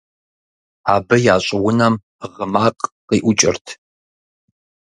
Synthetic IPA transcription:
aːbɨjaːɕʼɪwʊnɐm | ʁəmaːqʼqiːʔʷʊt͡ʃʼɪ̰rtʰ

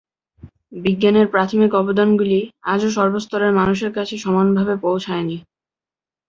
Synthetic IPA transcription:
biɡːaneɾpɾat̪ʰomikɔbod̪anɡuliad͡ʑoʃ̬ɔɾbost̪ʰɔɾeɾmanuʃ̬eɾkat͡ɕʰeʃɔmanbʱabepowt͡ɕʰaeni

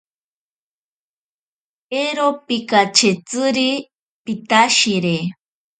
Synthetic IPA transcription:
eɾopikat͡ʃet͡sɨɾi | pit̪aʃiɾe

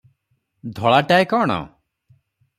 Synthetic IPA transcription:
d̪ʱɔɭaʈajkɔːɽ̃ɔ̰

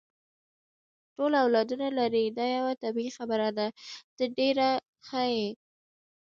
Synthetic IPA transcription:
ʈolawlɑd̪unalaɾid̪ɑjawat̪abiixabəɾad̪ad̪̥əɖeɾa | xəje

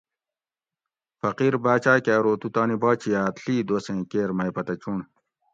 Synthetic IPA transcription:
fɐqiːɾbaːt͡ɕaːkaːɾoːt̪ut̪aːnibaːt͡ɕʰijaːt̪ɬiːd̪oːsẽːkeːɾmɐjpɐt̪ɐt͡ɕuɳ

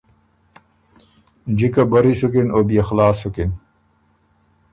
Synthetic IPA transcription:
d͡ʑikabɐɾisukinoːbijaxlaːsukin

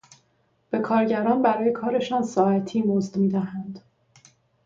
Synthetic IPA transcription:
b̥e̞kʰɒːɾɟæɾɒːnbæɾɒːje̞kʰɒːɾe̞ʃɒːnsɒːæt̪ʰiːmozd̪miːd̪æɦænd̪̥

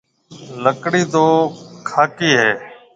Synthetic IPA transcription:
ləkɽiːt̪oːkʰaːkiːɦeː

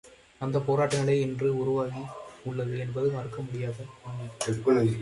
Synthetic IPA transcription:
ɐnd̪ɐpoːɾaːʈːɐɣɐɭɐɪɪndrɯʊɾʊʋaːɣiʊɭːɐðɯɛnbɐðɯpaːɾkːɐmʊɽɪjaːðɐɐnːɐɛkːɯɭɐ

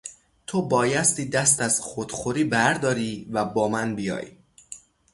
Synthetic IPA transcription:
t̪ʰobɒːjæst̪iːd̪æst̪æz̥xod̪̥xoɾiːbæɾd̪ɒːɾiːvæbɒːmænbijɒ̰ːj

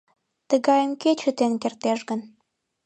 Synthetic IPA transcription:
t̪əɣɑjəmket͡ɕət̪enkert̪eʃɡən

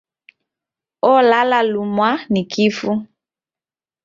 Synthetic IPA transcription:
ɔlalalumwanikʰifu

